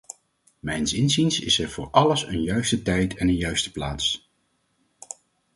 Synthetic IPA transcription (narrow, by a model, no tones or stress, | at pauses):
mɛjnsɪnzinsɪ̰sɛɹvʊːɹʔɑləsə̰njœɥstətɛjtʰɛnənjœɥstə̥plaːts